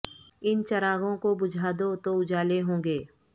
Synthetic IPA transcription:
ɪnt͡ʃɐɾaːɡõkobʊd͡ʒʱaːd̪ot̪oʊd͡ʒʱaːleɦõːŋɡeː

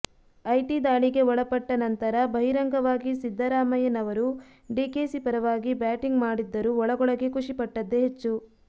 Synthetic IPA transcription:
ɐjʈid̪aːɭiɡe̞ɔɭɐpɐʈːɐnɐnt̪ɐɾɐbʱɐɦiɾɐŋɡɐʋaːɡisid̪ʱːɐɾaːmɐjɐnɐʋɐɾu | ɖiːkeːsipɐɾɐʋaːɡibaːʈiŋɡmaːɽid̪ːɐɾuɔɭɐɡɔɭɐɡekʰuʂipɐʈːɐd̪ːeɦet͡ʃːu

